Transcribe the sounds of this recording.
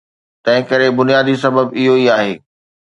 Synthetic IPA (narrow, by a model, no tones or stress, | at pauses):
t̪ɐ̃ɦɪ̃kɐɾebʊnijaːd̪isɐbəbɪɦoiaːɦeː